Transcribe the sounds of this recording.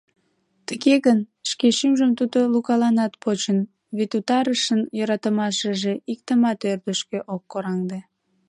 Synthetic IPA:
t̪əɣeɣənʃkeʃymʒəmt̪ud̪olukɑlɑnɑt̪pot͡ɕən | βet̪ut̪ɑɾəʃənjøɾɑt̪əmɑʃəʒeʔikt̪əmɑt̪ørd̪əʃkeʔokːoɾɑŋd̪e

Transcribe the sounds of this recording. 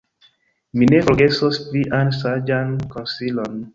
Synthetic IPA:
minefɔɡɛsɔspɾiʔansad͡ʒankɔnsilɔn

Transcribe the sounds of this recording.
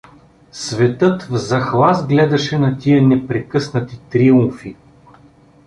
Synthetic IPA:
svɛt̪ɤt̪vzɐxlˠazɡlɛd̪ɐʃɛnɐt̪ʲiənɛpɾɛkɤsnɐt̪it̪ɾiumfi

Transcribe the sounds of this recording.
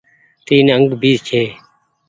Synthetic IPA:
t̪iːneːəŋɡbʱiːzt͡ʃʰeː

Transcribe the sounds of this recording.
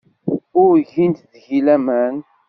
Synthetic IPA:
ʊɾʝint̪ðʝilæmæn

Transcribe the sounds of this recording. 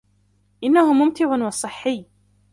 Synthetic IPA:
ʔɪnːahʊmʊmt̪ɪʕʊnwɑsˤɨħːɪjː

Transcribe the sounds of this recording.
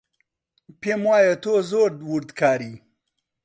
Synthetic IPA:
pemwaːjet̪ozoːɾd̪wuɾd̪kʰaːɾi

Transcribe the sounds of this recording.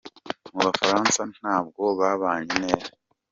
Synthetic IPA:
muβafaɾaːnsan̥aːb̚ɡo̞βaβaːɲene̞ːza

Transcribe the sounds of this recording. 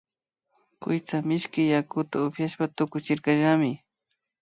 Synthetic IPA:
kʊ̰jt͡samɪʃkɪjakʊt̪aʊpjaʃpat̪ʊkʊt͡ʃɪɾkaʒamɪ

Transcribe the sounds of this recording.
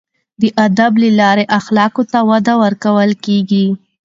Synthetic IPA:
d̪əʔad̪abləlɑɾeʔaxlɑkot̪awad̪awəɾkawəlkeɡi

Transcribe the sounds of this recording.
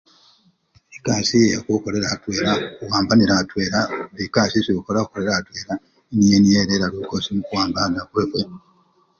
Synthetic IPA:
ekaːsiejakuko̞le̞ɾatwe̞ːɾakuwaːmbaniɾatweːɾaβikaːsiziukolaukole̞ɾatwe̞ːɾa | enijenijeːɾeɾalukosimukuwaːmbaniakwekwe

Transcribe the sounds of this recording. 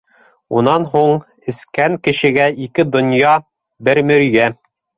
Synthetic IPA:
unɑnɦuɴ | ɘ̆skæŋkɘ̆ʃɘ̆ɡæʔikɘd̪ŏnjɑ | bɘɾmɵ̆ɾjæ

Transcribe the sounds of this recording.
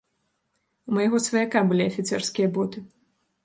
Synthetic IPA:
umɐjaɣɔsvɐjakabɨlʲiɐfʲit̪sɛrskʲijɐbɔt̪ɨ

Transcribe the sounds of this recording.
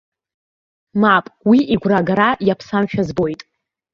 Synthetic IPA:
mapʼwiʔiɡʷraɡaɾajapʰsamʃᶣazbo̞jtʼ

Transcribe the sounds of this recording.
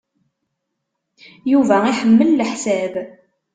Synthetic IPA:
juvæiħəmːəllħsæb

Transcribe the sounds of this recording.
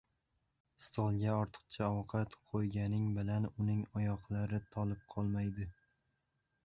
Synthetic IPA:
st̪ʰɒlˠɡʲaɒɾt̪ʰɨ̥q̚t͡ʃʰaɒwqʰɑt̪qʰojɡʲanɪŋbɪlanʊnɪŋɒjɒqlˠaɾɪt̪ʰɒlˠɪp̚qʰɒlˠmajd̪ɪ

